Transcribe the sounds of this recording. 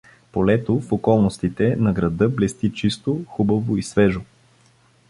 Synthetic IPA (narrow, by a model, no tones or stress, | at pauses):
polɛt̪ofokɔlˠnost̪it̪ɛnɐɡɾɐd̪ɤblɛst̪it͡ʃist̪oxubəvoisvɛʒo